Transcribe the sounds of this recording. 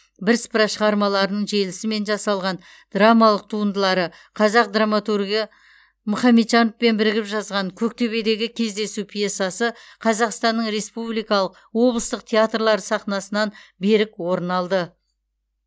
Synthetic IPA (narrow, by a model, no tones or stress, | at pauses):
bɪɾspəɾɑʃəʁɑɾmɑlˠɑɾənəɴʒe̞lɪsɪme̞nʒɑsɑlˠʁɑn | d̪̥ramɑlˠəq̚t̪ʰuənd̪əlˠɑɾə | qʰɑzɑq̚d̪ramat̪urɡʲijɑ | mʊχɑmːet̪ʒɑnofpe̞nbɪɾɪɡʲɪpʒɑzʁɑɴkʲʰɵk̚t̪ʰe̞βe̞d̪e̞ɡʲɪkʲʰe̞zd̪e̞supʰije̞sɑsəqʰɑzɑqst̪ɑnːəɴɾe̞spublijkɑlˠəq̚ | wo̞blˠəst̪əqt̪ʰʲeat̪rlˠɑɾəsɑχnɑsənɑnbe̞ɾɪkwo̞ɾənɑlˠd̪ə